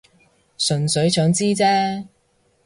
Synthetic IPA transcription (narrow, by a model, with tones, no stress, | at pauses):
sɵ˨˩nsɵ˨˧˥ɥsœː˨˥ŋt͡siː˥t͡sɛː˥